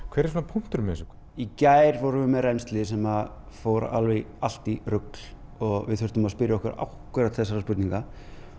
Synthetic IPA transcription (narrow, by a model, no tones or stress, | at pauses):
kʰv̥ɛɾɪ̥sunapʰum̥t̪ʏɾmɛsɔkʰ | icaːjɾvɔwɾʏvʏmɛðrɛjnst̪lɪsɛmafoːwɾ̰ʔa̰lvɛɣa̰l̥t̪irʏklɔɣvɪ̰ðθʏɾ̥t̪ʏmaðspɪɾjaɔhkʏɾa̰whkʏɾat̪θɛsaɾaspʏt̪niŋka